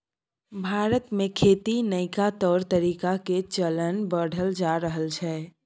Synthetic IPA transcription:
bʱaːɾət̪mẽkʰeːt̪inəɪkat̪ɔːɾt̪əɾiːkaket͡ʃələnbəɽ̤ʱəld͡ʒaɾəɦəlt͡ʃʰɛː

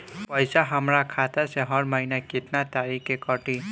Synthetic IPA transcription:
pəjsaɦəmɾakʰat̪aseɦɔɾməɦinakɪt̪nat̪aɾikekɔʈi

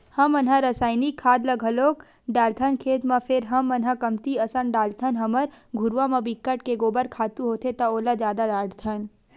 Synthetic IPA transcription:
hɐmɐnɦãɾəsaːɪnikʰːaːd̪ləɡʱɦɐloːk | ɖaːlt̪ʰənkʰeːt̪mapʰɪɾɦɐmɐnɦãkəmt̪iɐsəɳɖaːlt̪ʰənɦɐməɾɡʱʊɾʋamãbɪkːəʈkeɡoːbəɾkʰaːt̪uɦoːt̪ʰet̪ɐoːlad͡ʒjaːd̪aɾaːɽt̪ʰən

